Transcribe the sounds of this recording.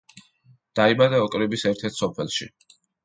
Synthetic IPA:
d̪̥aimad̪aɔkʼɾibisɛɾt̪ʰɛɾt̪ʰsɔpʰɛlˠʃḭ

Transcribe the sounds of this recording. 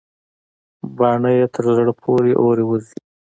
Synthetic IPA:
bɑɳəjet̪ʰəɾzəɽpʰoɾeʔoɾewəzi

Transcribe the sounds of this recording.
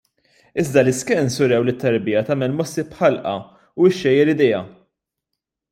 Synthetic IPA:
ɪzd̪ɐlɪskɛnsʊɾɛwlɪt̪ːɐɾbɪjɐt̪ɐːmɛlmɔsːipħɐlʔɐ̰ | ʊɪʃːɛjɛɾɪd̪ɛjɐ

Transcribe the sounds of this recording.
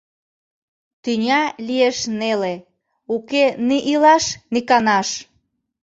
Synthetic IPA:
t̪ynʲɑlieʃnele | ukeniʔilɑʃnikɑnɑʃ

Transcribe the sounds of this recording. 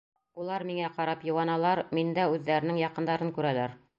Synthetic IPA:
ulˠɑɾmiŋæqɑɾɑpjŭwɑnɑlˠɑɾmind̪æʉðːæɾɘ̆nɘŋjɑqɤ̆nd̪ɑɾɤŋkʉɾælæɾ

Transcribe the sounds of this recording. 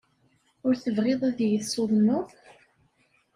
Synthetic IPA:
ʊɾθəvʁɪðˤæðjəsːoðˤnʊðˤ

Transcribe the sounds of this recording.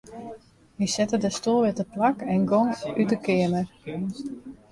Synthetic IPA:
ʋisɛtədəstulˠʋɪtəplakɛnɡoŋytəkɪəmə

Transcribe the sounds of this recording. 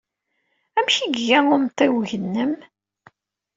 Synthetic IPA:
æmçiɡːæʊmt̪ˤːiwʝənːəm

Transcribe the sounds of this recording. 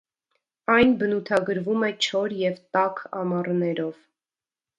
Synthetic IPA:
ɑjnbənut̪ʰɑɡəɾvumɛt͡ʃʰɔɾjɛvt̪ɑkʰɑ̰mɑrnɛɾɔv̥

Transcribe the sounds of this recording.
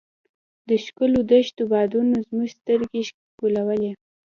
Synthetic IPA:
d̪əʃkʊlod̪əʃt̪obɑd̪unozmuʒst̪əɾɡeʃ | kulawəle

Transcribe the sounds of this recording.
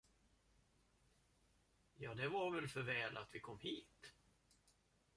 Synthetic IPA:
jɑːd̪ɛvaɾvɛlfœɾvɛːlʔat̪vɪkʰɔmːhiːt̪

